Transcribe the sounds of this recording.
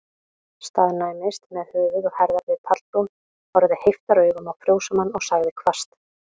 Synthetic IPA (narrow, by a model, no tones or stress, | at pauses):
st̪aːðnaːjmɪst̪mɛðhʏːvɪðɔɣhɛɾðaɾvɪðp̪ʰat̪lt̪un | hɔɾðɪhejft̪aɾœɥɣʏmaðfɾjoːwsamanːɔɣsaɣðɪkʰvast̪